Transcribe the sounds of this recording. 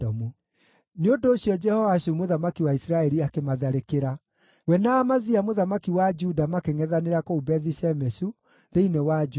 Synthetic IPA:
ɔmu | neondoːɕjɔd͡ʒɛhɔvaɕumoðamakiwaisɾaɛɾiakemaðaɾekeɾa | wɛnaːmaziamoðamakiwad͡ʒudamakeŋɛðaneɾakoubɛðisɛmɛsu | ðeinewad͡ʒ

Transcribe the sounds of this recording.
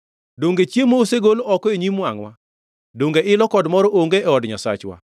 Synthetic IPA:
doŋɡet͡ʃjemoːseɡoloɔkɔeɲimwaŋwa | doŋɡeʔɪlɔkɔdmɔɾɔʔoŋɡeʔɛɔdɲasa̰t͡ʃwa̰

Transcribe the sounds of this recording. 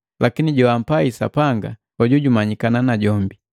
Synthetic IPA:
lʔakiniɟɔam̩paisa̰paŋɡa | ɔɟuɟumaɲikananaɟɔmbi

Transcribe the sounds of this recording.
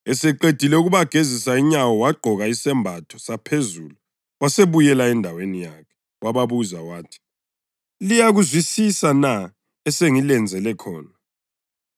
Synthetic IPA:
ɛsɛǃed̥ʱilɛuɣuβaɡ̥ʱezisaiɲawɔwaɡ͡ǃʱɔɣaisɛmbʱatʰɔ̥sapʰezuːlu | waseβujɛlaɛndʱawenijaːkʰɛ̥ | waβaβuzawaːtʰi̥ | lijaɣuzwisisana | ɛseŋilɛnd͡zʱɛlɛkʰɔ̰ːna

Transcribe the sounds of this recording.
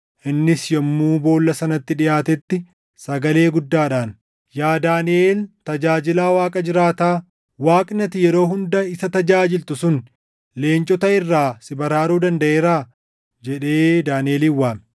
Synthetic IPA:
ʔɪnːɪsjɐmːuːbo̞ːlːɐsɐnɐt̪ːɪᶑɪjaːt̪ɛt̪ːɪ | sɐɡɐle̞ːɡʊd̪ːaːᶑaːn | jaːd̪aːnɪʔeːlt̪ɐd͡ʒaːd͡ʒɪlaːwaːkʼɐd͡ʒɪɾaːt̪aː | waːkʼnɐt̪ɪjɛɾo̞ːɦʊnd̪ɐɪsɐt̪ɐd͡ʒaːd͡ʒɪlt̪ʊsʊn | le̞ːnt͡ʃʼɔt̪ɐɪrːaːsɪbɐɾaːɾuːd̪ɐnd̪ɐʔeːɾaː | d͡ʒɛᶑe̞ːd̪aːnɪeːliːwːaːm

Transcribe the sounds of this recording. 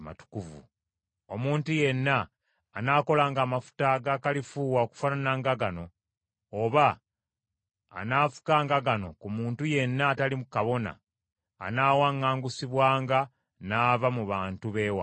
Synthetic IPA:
ma̰tu̥kuvṵ | o̞muːntuje̞nːaː | nako̞laːŋɡaːmafu̥taɡakalifuːwaoku̥fananaːŋɡaɡano̞ː | βa | naːfu̥kaːŋɡaɡano̞̰kumuːntuje̞nːatalimukaβo̞na̰ː | naːwaːŋːaːŋɡusiβwaːŋɡa | naːvamuβaːntuβe̞ːwa̰

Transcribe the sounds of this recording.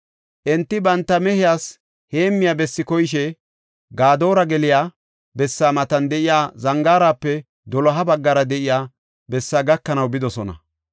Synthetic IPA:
ʔɛnt̪ːɪbɐnt̪ːɐmɛhɪjaːs | heːmːɪjaːbɛsːɪkɔjɪʃɛ | ɡaːd̪o̞ːɾɐɡɛlɪjaː | bɛsːaːmɐt̪ɐnd̪ɛʔɪjaːzɐŋɡaːɾaːpːɛ | d̪ɔlɔɦɐbɐɡːɐɾɐd̪ɛʔɪjaː | bɛsːaːɡɐkːɐnɐwbɪd̪ɔsɔnɐ̰

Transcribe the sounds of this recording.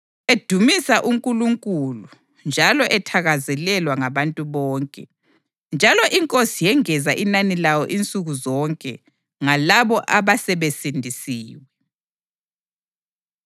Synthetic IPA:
ed̥ʱumisaʔuŋkʼuluŋkʼulu | nd͡ʒʱalɔʔɛtʰaɣazɛlɛlwaŋaβantʼuβɔːŋkʼɛ̰ | nd͡ʒʱalɔʔiŋkʼosijɛŋɛzaʔinanilawɔʔint͡sʼuɣuzɔŋkʼɛ | ŋalaβɔʔaβasɛβesindʱisiːwɛ

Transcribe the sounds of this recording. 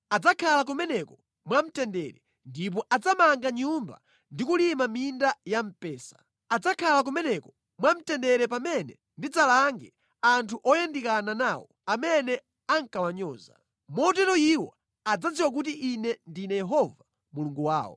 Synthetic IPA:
ad͡zakʰalak̬umɛnɛkɔ | mwam̩tɛndɛɾɛ | ndip̬ɔʔad͡zamaŋɡaɲumba̰ | ndikulimamindajam̩pɛːsḁ | ad͡zakʰalak̬umɛnɛkɔ̥ | mwam̩tɛndɛɾɛp̬amɛnɛ | ndid͡zalaŋɡɛ | antʰuʔɔjandikananawɔ̰ | amɛnɛ | aŋkawaɲɔːza̰ | mɔt̬ɛɾɔiwɔ̰ | ad͡zad͡ziwak̬ut̬iʔinɛndinɛjɛɦɔva | muluŋɡuwa̰ːwɔ̰

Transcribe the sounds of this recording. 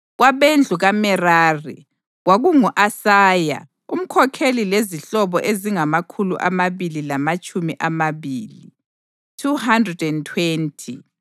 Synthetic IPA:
ɣwaβend͡ɮʱuɣamɛraːrḭ | ɣwaɣuŋuʔasaːja̰ | um̩kʰɔkʰelileziɬɔβɔʔeziŋamakʰuluʔa̰maβililamat͡ʃʼumiʔamaβiːli | tʰuhandrɛdɛntʰwentʰḭ

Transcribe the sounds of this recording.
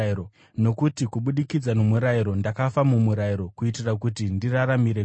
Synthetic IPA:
o | no̞kutikuɓuɗikid͡zanomuɾaiɾo̞ndakafamumuɾaiɾo̞kuitirakut̬indiraɾamiɾe

